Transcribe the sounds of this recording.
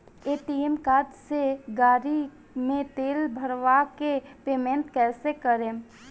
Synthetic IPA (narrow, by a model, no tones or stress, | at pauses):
eːʈimkaːd̪seɡaːɾi | mẽt̪eːlbʱəɾʋakepeːmẽnʈkɛːsekəɾẽ